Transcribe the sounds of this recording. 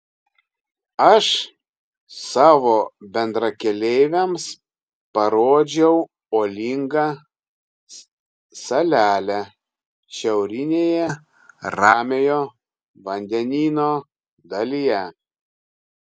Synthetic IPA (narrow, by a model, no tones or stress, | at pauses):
ɐʃ | sɑːʋoːbʲɛnd̪ɾɐkʲɛlʲɛɪʋʲɛms | pɐɾoːd͡ʒʲɛʊ | oːlʲiŋɡɐ | sɐlʲæːlʲæ | ʃʲɛʊɾʲɪnʲeːjɛ | ɾɑːmʲejoː | ʋɐnʲd̪ʲɛnʲiːnoː | d̪ɐlʲijɛ